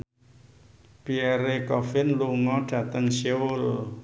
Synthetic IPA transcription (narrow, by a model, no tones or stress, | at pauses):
piɛɾekɔfɪnluŋɔɖ̥a̤t̪əŋseʊl